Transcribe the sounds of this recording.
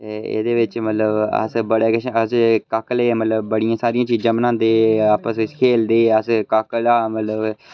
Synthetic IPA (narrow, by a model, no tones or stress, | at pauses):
t̪eːḛːd̪eːʋɪt͡ʃmət̪ləbə̰sbəɽeːkəʃəskaːkleːmət̪ləbːəɽijãːsaːɾijãːt͡ʃiːd͡ʒəmnãːnd̪eːaːpəskʰeːld̪eːəskaːkəlaːmət̪ləb